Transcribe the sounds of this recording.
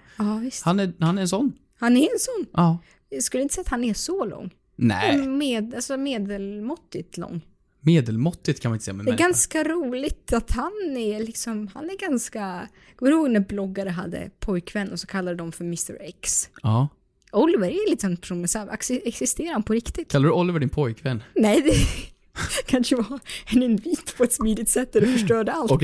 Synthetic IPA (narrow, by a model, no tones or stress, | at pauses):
ɑːvɪst̪hanæhanɛɾɛnsɔnː | hanæɾɛnsɔnːɑː | skɵlːjɪnt̪sɛjat̪hanɛʂɔlɔ̰ŋː | nɛ̰ɛmeːd̪alsɔmeːd̪ɛlmɔt̪ːɪt̪lɔ̰ŋː | meːd̪ɛlmɔt̪ːɪt̪̚kʰanmanɪt̪sɛ̰jːamɛ̰ɛɡanskaɾuːlɪt̪ʰat̪hanæɾlɪksɔmha̰næɾɡanska | ɡ̥ɔɾɪnhoːɡnæɾblɔɡːaɾəɦad̪ːə̰pʰɔjkvɛnːɔsɔkʰalːad̪ɛd̪ɔmfœɾmɪst̪ə̰ɾɛksɑː | ɔlɪvəɾɛlɪt̪sɔnːpʰɛ̥ʂuːnɛnsɑv̰ksɛksɪst̪eːɾaɾhanpʰɔɾɪkt̪ɪt̪k̪ʰːalːɾd̪ɵɔlɪvəɖɪnpʰɔjkvɛnːnɛjd̪ɛ | kʰanʂəvɑɛnɪnviːt̪ːpʰɔɛt̪smiːd̪ɪt̪sɛt̪ːæd̪ɛfœʂʈœːɖɛalt